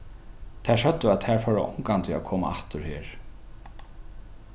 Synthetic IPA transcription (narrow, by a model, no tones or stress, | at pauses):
t̪ʰɛsœt̪ːʏaðt̪ʰæɹfœɾ̰ʔɔ̰ŋkant̪ʰɪa̰kʰɔːma̰aht̪ʏɾheːɹ